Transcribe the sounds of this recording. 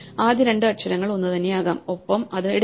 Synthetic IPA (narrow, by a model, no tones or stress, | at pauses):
aːd̪iɾeɳɖɨɐʈɕɐɾɐŋːɐɭonːɨt̪ɐnːejaːɣaːmopːɐmɐðɨeɽ